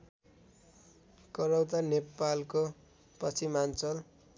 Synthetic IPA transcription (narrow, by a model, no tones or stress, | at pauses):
kʌɾʌwt̪anepalko | pʌt͡sʰimant͡sʌl